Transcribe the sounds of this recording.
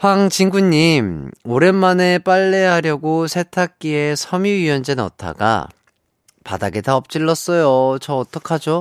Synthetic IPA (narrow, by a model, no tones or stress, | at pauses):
ɸwaŋt͡ɕiŋɡuɲːimoɾe̞nmane̞p͈aɭːe̞ɦaɾjʌɡosʰe̞tʰak̚k͈ie̞sʰʌmiiʌnd͡ʑenʌ̰tʰa̰ɡa̰ | pa̰daɡetaʌp̚t͡ɕ͈iɭːʌs͈ʌjot͡ɕʌːt͈ʌkʰad͡ʑo